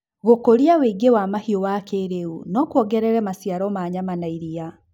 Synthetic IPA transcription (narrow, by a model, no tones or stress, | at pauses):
ɣokoɾiaweiɡewamahiowakʰeɾeṵnɔkwɔɡɛɾɛɾɛmasjaɾɔmaɲamanaiɾia